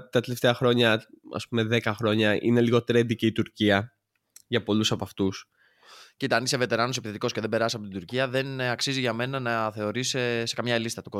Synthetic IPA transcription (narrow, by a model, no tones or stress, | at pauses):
t̪ɐt̪ele̞ft̪eɐxɾo̞ɲɐɐ̰spume̞ðe̞kɐxɾo̞ɲɐʔḭne̞liɣo̞t̪ɾed̪iciːt̪uɾciɐ | ʝɐpo̞lusɐpɐft̪us | cit̪ɐniseve̞t̪e̞ɾɐno̞se̞piθet̪iko̞sce̞ðe̞mbe̞ɾɐsiɐpo̞t̪id̪uɾciɐðe̞nɐksiziʝɐme̞nɐnɐθe̞o̞ɾisese̞kɐmɲɐlist̪ɐt̪uko̞